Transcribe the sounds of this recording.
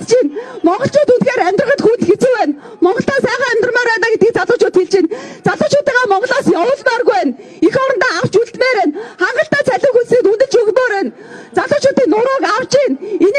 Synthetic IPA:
t͡ɕinmɔɴɢɞ̆ɬt͡ɕʰʊːt̪unxeːɾæm̥ʲt̪rə̆χə̆t̪xuːnt̪xet͡sŭwæːn | mɔɴɢɞ̆ɬt̪aːksæːχaːæm̥ʲt̪̆rmaːɾæːnaːɡet̪ɡiːk̚t͡saɮʊːt͡ɕʰʊːt̪xeɮt͡ɕiːnt͡saɮʊːt͡ɕʰʊːt̪iːŋɡaːmɔɴɢɞ̆ɮaːsjɔwʊːɮmarɣujæːn | ixɔɾə̆nt̪aːaw̥t͡ɕuɮt̪meːɾæːnχaɴɢə̆ɬt̪æːt͡sʰæɮʊːŋxunsniːt̪unt̪ɘ̆ɮt͡ɕɵɣmoːɾæːn | t͡saɮʊːt͡ɕʰʊːt̪iːknːʊɾʊːkaw̥t͡ɕiːnen

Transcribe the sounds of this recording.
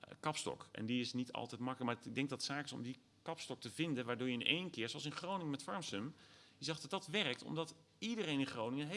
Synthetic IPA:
kɑpstɔ̰kʔɛ̰ndiɪsnitʰɑ̰lˠtɛjtmɑkələkmaːɡ̚dɛŋɡ̚dɑtsaːkɪsɔ̰mdi | kɑpstɔk̚təvɪndənʋaːɹdʊːjəɪnʔḛjnkɪːɹsowɑlˠsənχrownɪŋəmɛtfɑɹmsəmjəzɑχddɑtʋɛrək̚tɔ̰mdɑt | idərejnɪnχrownɪŋəɦe

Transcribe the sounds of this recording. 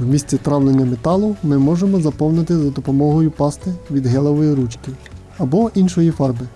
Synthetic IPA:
wmʲisʲt͡sʲit̪ɾɑwlˠenʲːɐmet̪ɑlˠʊmɪmɔʒemɔzɐpɔwnɪt̪ɪzɐd̪ɔpɔmɔɦɔjʊpɑst̪ɪʋʲid̪ɦɛlˠɔʋɔjiɾut͡ʃkɪ | ɐbɔʔinʃɔjifɑrbɪ

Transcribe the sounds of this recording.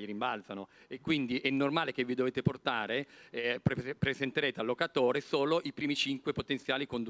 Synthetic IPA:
iɾimbalt̪sanoekːwind̪iʔɛnːormaːlekevːid̪oveːt̪eport̪aːɾeppɾezent̪eɾeːt̪ealːokat̪oːɾesoːloʔipɾiːmit͡ʃiŋkwepot̪ent̪sjaːlikond̪

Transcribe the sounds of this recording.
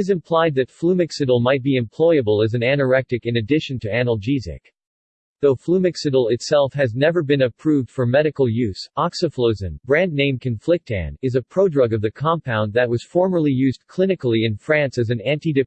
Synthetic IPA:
ɨzɨ̃mpʰl̥aɪd̪̚ðɨtflumɨksɨɾl̩ˠmaɪt̚b̥iɨ̃mpʰl̥ɔɪɨbəlˠɨz̃nænə˞ɛk̚tɨkɨ̃nɨdɪʃɨ̃n̩tʰɨænl̩ˠd͡ʒizɪ̰k | ðoʊflumɨksɨɾl̩ˠɪtsɛlˠfɦɨznɛvə˞bɨ̃nɨpʰɹ̥ʉvd̥fə˞mɛɾɨkl̩ˠjʉz̥ɑksɨfloʊzɨ̃nbɹæ̃nːẽɪ̃mkʰɨ̃nflɪk̚tʰæ̰̃nɨzɨpʰɹ̥oʊdɹʌɡʌvðɨkʰɑ̃mpʰãʊ̃nðɨt̚wʌz̥fɔɹmə˞lˠijʉzkʰl̥ɪ̃nɨkl̩ˠiɨ̃nfɹæ̃nsɨzɨ̃næ̃ntidɨ

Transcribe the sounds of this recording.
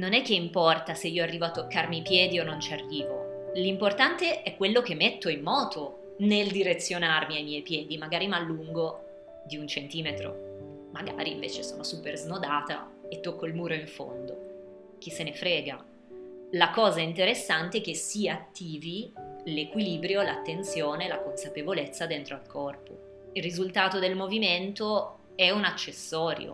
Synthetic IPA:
nonɛkːeimpɔrt̪aseiːoarːiːvoat̪ːokːarmipjɛːd̪ionːont͡ʃiarːiːvolimport̪ant̪eʔɛkːwelːok̟emːet̪ːoimːɔːt̪o | neld̪iɾet̪sːjonarmiajmjɛjpjɛːd̪imaɡaːɾimalːuŋɡo | d̪iunt͡ʃent̪iːmet̪ɾo̰ | maɡa̰ːɾiːɱvḛːt͡ʃeso̰ːnosuːperznod̪aːt̪a̰et̪ːokːoilmuːɾoiɱfo̰nd̪o̰ | k̟isenefɾɛːɡa | lakɔːzaint̪eɾesːant̪eɛkesːiat̪ːiːvilekwiliːbɾjolat̪ːent̪sjoːnelakonsapevolet̪sːad̪ent̪ɾoalkʰɔrpo̰ | ilrːizult̪aːt̪od̪elmoviment̪o | ɛunat͡ʃːesːɔːɾjo̰

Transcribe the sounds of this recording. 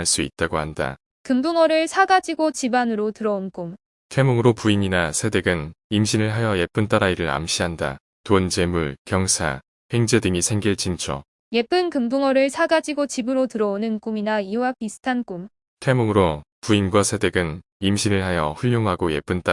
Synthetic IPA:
ɭs͈uḭt̚t͈aɡohanda̰ | kɯmbuŋʌɾɯɭsʰaɡad͡ʑiɡot͡ɕibanɯɾotɯɾʌonk͈um | tʰe̞moŋɯɾopuiɲinasʰe̞de̞ɡɯnimɕʰinɯɭɦajʌje̞p͈ɯnt͈aɾaiɾɯɭa̰mɕʰiɦanda̰ | tont͡ɕe̞muɭkjʌŋsʰa̰ | he̞ŋd͡ʑe̞dɯŋisʰe̞ŋɡiɭt͡ɕint͡ɕʰʌ̰ | je̞p͈ɯnkɯmbuŋʌɾɯɭsʰaɡad͡ʑiɡot͡ɕibɯɾotɯɾʌonɯnk͈uminaiwapisʰɯ̥tʰank͈um | tʰe̞moŋɯɾo | puinbʌsʰe̞de̞ɡɯnimɕʰinɯɭɦajʌɸuʎːoŋɦaɡoje̞̰p͈ɯnt͈a

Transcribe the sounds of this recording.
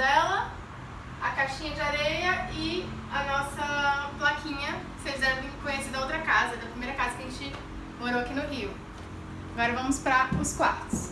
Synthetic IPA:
ɛlɐ | ɐkaʃĩɲɐd͡ʒɪaɾejɐɪ | ɐnɔsɐplakʰĩɲɐ | fezẽɾ̃kõjesid̪ɐowt̪ɾɐkazɐd̪ɐpɾimejɾɐkazɐkʲɐʒẽt͡ʃɪ | moɾowakinʊɦiʊ | aɡɔɾɐvɐ̃mʊspɾɐʊskwaɾt̪ʊs

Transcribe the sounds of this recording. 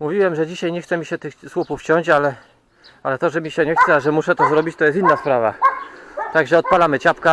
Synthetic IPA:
muvʲiwɛmʐɛd͡ʑiɕajɲɛxt̪sɛmʲiɕɛt̪ɘxswupuft͡ɕɔɲt͡ɕalɛ | alɛt̪ɔʐɛmʲiɕɛɲɛxt̪sɛaʐɛmuʂɛt̪ɔzɾɔbʲit͡ɕt̪ɔjɛst̪inːaspɾava̰ | t̪aɡʐɛɔt̪̚palamɘt͡ɕapka

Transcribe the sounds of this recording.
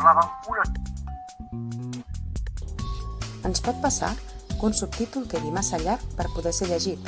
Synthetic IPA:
maβəmpulə | ənspɔt̪̚pəsa̰kunsup̚t̪it̪ulˠt̪eβimasəʎaɾk̚pəɾpuðɛseʎəʒit̪

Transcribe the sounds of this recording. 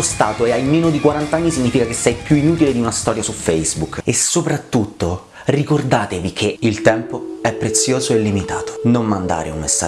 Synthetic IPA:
ost̪aːt̪oeajmeːnod̪ikwaɾant̪aanːisiɲːiːfikakesːɛjpjuinuːt̪iled̪iunast̪ɔːɾjasufɛjzbukːesopɾat̪ːut̪ːo | rikord̪aːt̪evikʰeilt̪ɛmpoɛpːɾet̪sːjoːzoelːimit̪a̰ːt̪o̥nomːand̪a̰ːɾḛunmesːa̰

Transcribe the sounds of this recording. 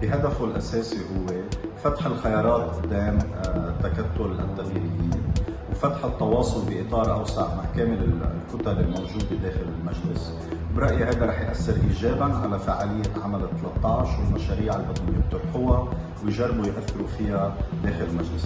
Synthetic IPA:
bɪɦad̪afulʔa̰seːsihʊwːefat̪ħɪlxajɑːɾˤɑːt̪ˤʔʊd̪ːeːmt̪ːakat̪ːʊla̰t̪ːaɣiːɾɪjːiːnwfat̪ħɪt̪ːɑwɑːsˤʊlbiʔɪt̪ˤɑːɾˤʔawsaʕmaʕkeːmɪlɪlkʊt̪alɪlmowʒuːd̪bɪd̪eːxɪlɪlmaʒlɪs | wbɾˤɑʔjhajd̪aɾˤɑːħjʔasːɪɾʔiːʒeːbanʕalafaʕalɪjːeʕamalɪt̪ːalɑt̪ˤːɑʕʃwɪlmaʃaːɾiːʕalbɑd̪ˤɪnjɪb̚t̪ʊbħʊwa | wɪjʒarˤːbujʔaθːɪɾufɪjad̪eːxɪlɪlmaʒlɪs

